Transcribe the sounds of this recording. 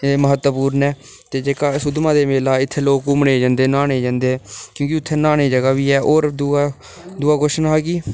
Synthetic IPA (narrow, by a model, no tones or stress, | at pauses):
eːməɦət̪ːəpuːɾnɛː | t̪eːd͡ʒeːkaːsʊd̪mãːd̪eːmeːlaːɪt̪ʰːeːloːkʊmɳeːd͡ʒãːnd̪eːnaːneːd͡ʒãːnd̪eːkjõːkɪʊt̪ʰːeːnaːneːd͡ʒəɡaːʋiːɛːʔoːɾd̪u | d̪ʊaːɡoːʃnːɦɛːɡiː